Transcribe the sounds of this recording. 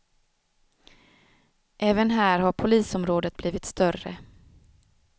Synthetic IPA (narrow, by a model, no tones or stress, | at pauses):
ʔɛːvənɦæːɾhaɾpʰʊliːsɔmɾoːd̪ət̪̚bliːvɪt̪st̪œrə̰